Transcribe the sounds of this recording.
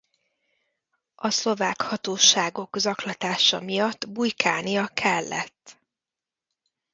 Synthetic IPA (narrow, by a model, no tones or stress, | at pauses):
ɒslo̞vaːkhɒt̪oːʃaːɡo̞kzɒklɒt̪aːʃɒ̰mijɒt̪ːbujkaːnijɒkʰɛlːɛ̰t̪ː